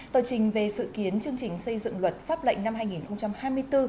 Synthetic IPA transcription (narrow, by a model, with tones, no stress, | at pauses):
t̪əː˨˩t͡ɕï˨˩ŋ̟ve˨˩sɨ̰˧˨ki˨˦ənt͡ɕɨ˧əŋt͡ɕï˨˩ŋ̟sə˧jzɨ̰˧˨ŋlwə˨˩t̚faː˦˥p̚lə̰˧˨jŋ̟na˧mɦaː˧jŋi˨˩nxə˧wŋ͡mt͡ɕa˧mhaː˧jmɨ˧əjt̪ɨ˧